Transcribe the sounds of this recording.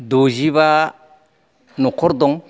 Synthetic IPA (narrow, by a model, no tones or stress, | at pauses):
d̪oziβa | nɔkʰɔɾd̪ɔŋ